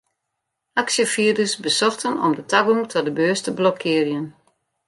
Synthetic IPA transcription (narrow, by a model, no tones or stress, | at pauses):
ʔaksjəfiədəsbəsɔxtənɔ̰mdətʰaɡuŋtʰɔdəbøːstəblɔkʰːɪərjən